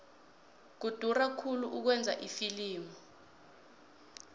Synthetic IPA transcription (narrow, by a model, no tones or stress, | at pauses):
k̬ud̥ʱurakʰuluʔuk̬wɛnd͡zʱa̰ʔifiliːmɔ